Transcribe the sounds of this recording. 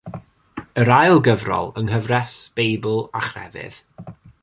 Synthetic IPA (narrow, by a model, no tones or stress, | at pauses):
əɾajlˠɡəvrɔ̰lˠəŋɦəvrɛsb̥ejbəlˠaχrɛ̰vɪ̰ð̥